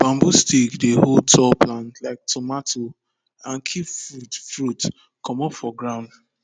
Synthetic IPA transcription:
b̥ãmbustikdehod̚tʰɔplãntlaɪk̚tɔmatʰo | ãnkʰipfudfɹut | kʰɔmɔpfɔɡɹãʊ̃nd

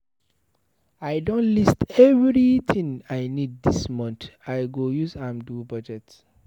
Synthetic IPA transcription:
aɪdõnlistɛvɹit̪ʰĩŋajnid̚dismɔ̃ntaɪɡojuzãmdubɔd͡ʒɛt

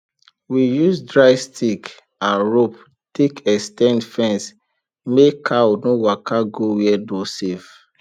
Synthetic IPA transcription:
wijusdɹaɪstʰik | ãnɹop̚ | tʰekɛstɛ̃ndfɛ̃ns | mekʰawunowakʰaɡowiɛdosev

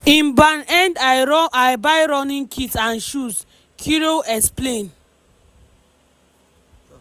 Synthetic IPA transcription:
ĩnbanɛ̃ndajbajɹɔnĩnkʰitãnʃus | kʰiɹoʔɛksplen

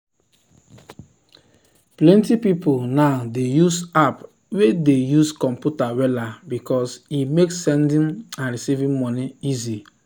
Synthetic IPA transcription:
plɛ̃ntipipolnaʊdejusap | wedejuskɔ̃mpjutawɛlabikɔsimeksːɛ̃ndĩnãnɹisivĩmmɔniizi

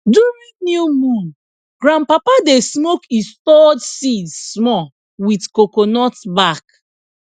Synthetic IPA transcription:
duminjumũn | ɡ̥ɹãnpapadesmokistɔdsidssmɔ | witkokonɔtbak

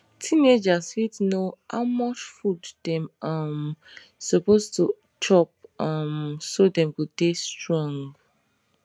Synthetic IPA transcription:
tʰined͡ʒaswitnoha̰ʊmɔt͡ʃfuddɛ̃mʌm | sɔpostu | t͡ʃʰɔp̚ʌmsodɛ̃mwidestɹɔ̃ŋɡɡ

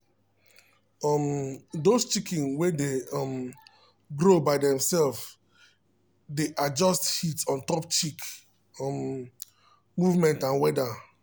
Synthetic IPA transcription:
ɔmdost͡ʃikĩnwedeɔm | ɡɾobaɪdɛ̃msɛlf | deʔad͡ʒɔsthitsɔ̃ntɔpt͡ʃik | ɔm | muvmɛ̃ntãnwɛda

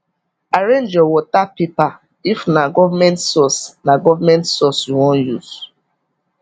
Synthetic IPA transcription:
aɹẽnd͡ʒɔwɔtapepa | ifnaɡɔvamɛ̃ntsɔsnaɡɔvamɛ̃ntsɔsjuwɔ̃njuz

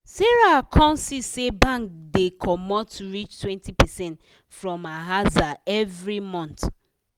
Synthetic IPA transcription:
sɛɹakʰɔ̃nsisebãŋkdekʰɔmɔtuɹit͡ʃtwɛ̃ntipɛsɛ̃nt | fɹɔ̃maɦazaɛvɹimɔ̃nt

